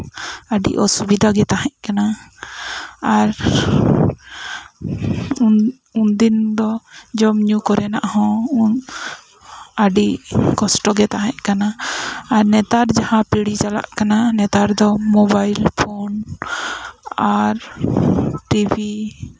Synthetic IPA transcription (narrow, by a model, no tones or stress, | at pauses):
əɖḭʔɔsubid̪ʱaɡɛt̪aɦɛ̃ʔkana | aɾ | und̪ind̪ɔd͡ʒɔmɲukɔɾɛna̰ʔahɔ̃ | əɖiʔkɔsʈɔɡɛt̪aɦɛ̃ʔkanaː | ɾnɛt̪aɾd͡ʒahãpiɽit͡ʃala̰ʔkananɛt̪aɾd̪ɔmɔbajlpʰon | aɾ | ʈibi